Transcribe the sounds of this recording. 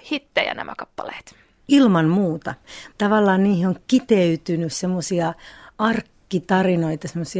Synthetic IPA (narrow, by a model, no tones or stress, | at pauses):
hit̪ːejæ̰næ̰mæ̰kɑpːɑlḛːt̪ | ilmɑnmuːt̪ɑt̪ɑʋɑlːɑːnniːhioŋkit̪eyt̪ynyssemːosiɑɑrkːit̪ɑrinoit̪ɑsemːˑosi